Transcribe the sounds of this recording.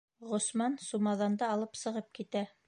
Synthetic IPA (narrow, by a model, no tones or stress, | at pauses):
ʁŏsmɑnsumɑðɑnd̪ɤːlˠɤpsɤ̆ʁɤp̚kit̪æ